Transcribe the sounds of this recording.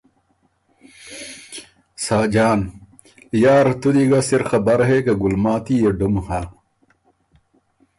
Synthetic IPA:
saːd͡ʑaːn | jaːɾt̪ud̪iɡasiɾxɐbɐɾɦekeɡulmaːt̪ijeɖumha

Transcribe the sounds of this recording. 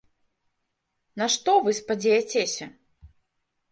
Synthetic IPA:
nɐʂt̪ɔvɨspad͡zʲɛjɛt͡sʲesʲɐ

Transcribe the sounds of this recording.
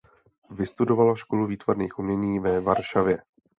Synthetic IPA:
vɪst̪udo̞valaʃkoluviːt̪vaɾniːxʔumɲɛɲiːvɛvaɾʃavjɛ

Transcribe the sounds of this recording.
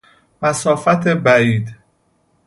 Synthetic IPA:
mæsɒːfæt̪ʰebæiːd̪

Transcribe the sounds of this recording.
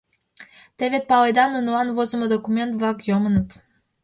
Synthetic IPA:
t̪ɛvʲet̪̚palˠəjd̪anːunuanvɔzəməd̪ɔkumɛnt̪vaɡjɔmənət̪

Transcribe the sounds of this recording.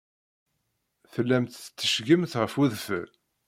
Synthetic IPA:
θəlːæmt̪θət͡s̪ːə̥ʃɡəmθʁəfuðfə̰

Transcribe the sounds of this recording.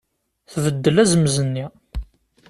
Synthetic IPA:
θvəd̪ːəlæzəməzənːi

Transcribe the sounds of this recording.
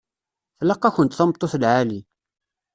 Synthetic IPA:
θlːɑqːɑçənt̪θɑmt̪ˤːoθəlʕali

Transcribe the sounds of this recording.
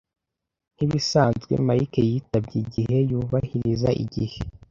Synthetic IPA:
n̥iβisaːnzɡwḛmaɾikejitabɟiɟihe̞juːβahiɾiza̰ʔḭɟihe

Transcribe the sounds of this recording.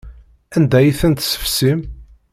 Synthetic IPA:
ænd̪æjiθənt̪sə̥fsim

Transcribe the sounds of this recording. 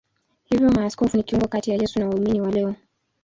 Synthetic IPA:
hivjɔmaːskɔfunikiuŋɡɔkatijajɛsunawauminiwalɛɔ

